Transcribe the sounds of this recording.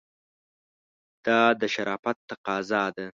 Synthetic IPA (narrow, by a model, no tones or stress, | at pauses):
d̪̥ɑd̪əʃaɾɑːfat̪ːaqɑːzɑd̪a